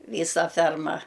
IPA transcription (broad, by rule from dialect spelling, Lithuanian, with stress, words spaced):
ˈʋʲiːsɐ ˈfʲɛrmɐ